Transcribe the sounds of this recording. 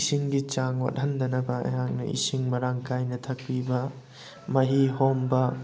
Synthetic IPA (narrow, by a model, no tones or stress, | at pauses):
siŋɡit͡ʃaŋwa̰t̚hɐndɐnɐbɐɐ̰jaŋnɐ̰ʔḭsiŋmɐɾaŋkajnɐtʰɐk̚ɾibɐ | mɐɦiɦombɐ